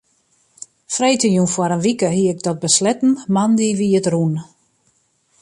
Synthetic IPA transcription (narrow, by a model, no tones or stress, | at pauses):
frejtəjunfwɔɾənʋikəɦiəɪk̚dɔt̚bəslɛtn̩mandiʋiətrun